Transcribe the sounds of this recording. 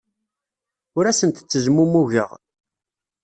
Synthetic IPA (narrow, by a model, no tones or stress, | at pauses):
ʊɾæsənt̪t͡sːəzmumuʝə̰ʁ